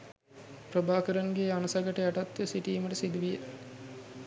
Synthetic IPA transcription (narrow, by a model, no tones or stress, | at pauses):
pɾəbaːkəɾɐŋɡeːanɐsɐɡɐʈəjaʈɐt̪ːʋesiʈiːməʈəsid̪uʋije